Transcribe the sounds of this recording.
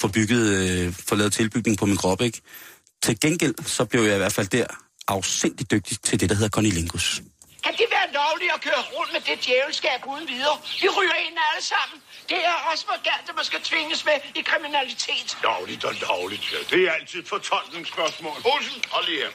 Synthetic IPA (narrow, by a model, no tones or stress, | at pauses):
fɒ̽b̥yɡ̥ð̩ˠfɒ̽lɛːð̩ˠt͡sʰe̝lb̥yɡ̥ne̝ŋ̩pʰɒ̽minɡ̥ʰʁɒ̽b̥əeɡ̥ | t͡sʰe̝lɡ̥enɡ̥el̰sɒ̽b̥le̝ʊjɑ̈iʋæ̰ɐ̰d̥fæl̰d̥æɐ̰ | ʔɑ̈ʊsen̰d̥id̥øɡ̥̚d̥it͡sʰe̝ld̥e̝d̥ɑɦe̝ð̞ˠɐkʰɒ̽nile̝ŋɡ̥us | kʰæd̥eʋæːɐlɒʊliɒ̽kʰøːɐʁɔn̰d̥med̥e̝d̥jɛːʊl̩sɡ̥ɛːb̥uðˠn̩ʋið̞ˠɐːʋiʁyːɐe̝n̰æləsɑ̈m̰n̩d̥e̝æɐɒ̽smɒɡ̥æn̰d̥æmænsɡ̥æt͡sʰʋe̝ŋəsmeikʰʁiminælit͡sʰe̝̰ːd̥d̥ɒʊlid̥ɒdɒʊlid̥ed̥e̝ææl̰t͡sʰið̰ˠfɒ̽t͡sʰɒl̰ɡ̥neŋsb̥ɶɐsmɔ̰ːlosn̩ɒli